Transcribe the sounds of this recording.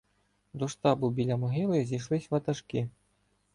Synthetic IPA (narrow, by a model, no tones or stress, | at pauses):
d̪uʂt̪abubʲilʲamuɣʲilˠɨzʲijʂlˠisʲvɐt̪ɐʂkʲi